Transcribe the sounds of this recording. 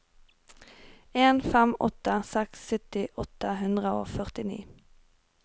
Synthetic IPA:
eːnfɛmɔ̰t̪əsɛksœt̪ɪʔɔt̪əhʉnd̪ʁəo̰ːfœʁt̪ɪnḭː

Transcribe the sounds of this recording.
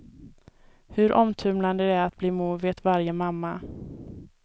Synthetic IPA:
hɵɾʔɔmt̪ʰɵmland̪əd̪ɛæɾat̪̚bliːmuːveːt̪vaɾjəmamːa

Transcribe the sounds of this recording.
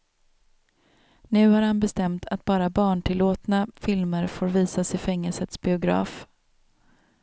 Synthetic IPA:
nʉ̟ːhaɾhanbɛst̪ɛmt̪ʰa̰t̪̚bɑːɾabɑːɳʈʰɪlːoːt̪nafɪlməɾfoːɾviːsasɪfɛŋːəlsət̪sbɪʊɡɾɑ̰ːf

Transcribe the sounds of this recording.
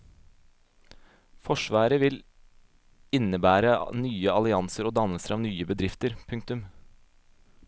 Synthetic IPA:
fɔʂʋɑːɾəʋɪl | ɪnəbæːɾənyːəɑlɪɑnsəɾoːd̪ɑnəsəɾʔɑːʋnyːəbəd̪ɾɪft̪əɾpʰʉŋk̚t̪ʉm

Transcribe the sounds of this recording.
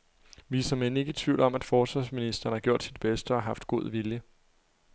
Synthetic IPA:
ʋiːsɐmene̝ɡ̥ət͡sʰʋiʊlɒ̽mæd̥fɒːsʋɑ̈sminisd̥ɐn̩hæɡ̥jo̝ɐ̰d̥sid̥b̥esd̥əɒɦɑ̈fd̥ɡ̥o̝ð̰ˠʋiljə

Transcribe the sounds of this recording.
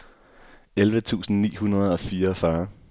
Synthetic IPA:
elʋət͡sʰṵːsn̩nḭːhunɐð̞ˠɒ̽fiːɐfɶɐ

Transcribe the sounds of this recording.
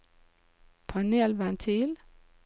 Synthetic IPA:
pʰɑnelʋænt̪ʰil

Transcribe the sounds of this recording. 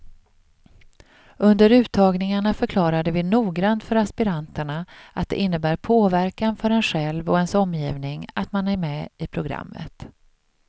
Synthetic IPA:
ɵnd̪əɾʉ̟ːt̪ʰːɑːɡnɪŋaɳafœɾkʰlɑːɾad̪əvɪnuːɡɾant̪fœɾaspɪɾant̪əɳaʔat̪̚d̪ɛ̰ʔɪnːəbæːɾpʰoːvæɾkanfœɾɛnɧɛlvɔɛnsɔmːjiːvnɪŋa̰t̪manæɾmɛːɪpʰɾʊɡɾa̰mːə̰t̪

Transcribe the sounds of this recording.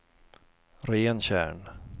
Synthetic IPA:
ɾeːnɕæ̰ːɳ

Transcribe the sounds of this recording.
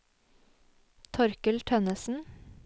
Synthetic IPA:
t̪ʰɔɾkəlt̪ʰœnəsn̩

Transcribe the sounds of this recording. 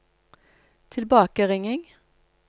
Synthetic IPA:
t̪ʰɪlbɑːkəʁɪŋɪŋ

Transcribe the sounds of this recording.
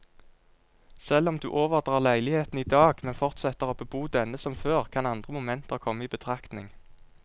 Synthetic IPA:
sɛlɔmd̪ʉ̰ːʔoːʋəʁd̪ʁɑːʁlæɪlɪheːt̪n̩iːd̪ɑːɡmɛnfɔʁt̪sɛt̪əʁoːbəbuːd̪ɛnəsɔmføːʁkʰɑnɑnd̪ʁəmʊmɛnt̪əʁkʰɔmːəiːbət̪ʰʁɑkt̪nɪŋ

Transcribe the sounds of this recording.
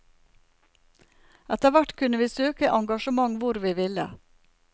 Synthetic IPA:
ɛt̪əʋæʈkʰʉnəʋiːsøːkəʔɑŋɡɑʃəmɑŋʋʊɾʋiːʋɪlə̰

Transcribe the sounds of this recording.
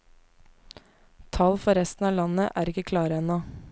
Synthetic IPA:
t̪ʰɑːlfɔɾɛst̪n̩ɑːlɑnəʔæːɾɪkəkʰlɑːɾəɛnoː

